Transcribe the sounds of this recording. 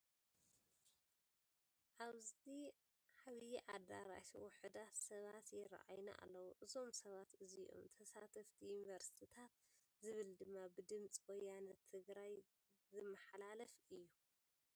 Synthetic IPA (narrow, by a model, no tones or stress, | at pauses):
ʔaβzt̪i | ħaβjiʔad̪a̰ɾa̰siwʊħɨd̪at̪sɐβat̪jɪɾa̰ʔa̰jna̰ʔa̰lːɐwuʔɨzo̞msɐβat̪ɨziʔo̞̰mt̪ʰɐsat̪ʰɐft̪ʰijunivɐɾsi̥t̪ʰit̪ʰat̪ | zɨβɨld̪ɨmːabɨd̪ɨmt͡sʼwɔjːanɐt̪ʰːɨɡɾaj | zɨmːɐħalalɐfɨjːu